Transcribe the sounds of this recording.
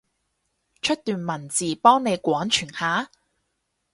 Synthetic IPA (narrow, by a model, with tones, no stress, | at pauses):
t͡ʃʰɵ˥t̚t̪yː˨nmɐ˨˩nt͡siː˨˩pɔː˥ŋne˨˧jkʷɔː˨˥nt͡ʃʰyː˨˩nhaː˨˥